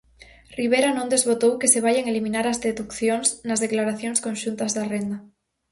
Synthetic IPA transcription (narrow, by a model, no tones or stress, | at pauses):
riβ̞eɾanõnd̪ezβot̪owkeseβ̞aʎaŋelimĩnaɾazðeðukθjoŋsnazðeklaɾaθjoŋskonʃunt̪azðarend̪a